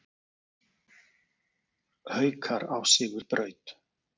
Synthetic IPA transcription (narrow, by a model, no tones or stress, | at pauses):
hœːɥkʰaɾawsɪːɣʏɾpɾœːɥt̪